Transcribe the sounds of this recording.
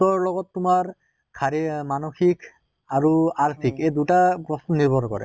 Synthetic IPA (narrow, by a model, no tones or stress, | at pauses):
ɔɹlɔɡɔtːumaɹ | kʰaɹimanɔxik | aɹuaɹsʰikejdutapɹɔsnɔniɹbɔɾkɔ̰ɹɛ̰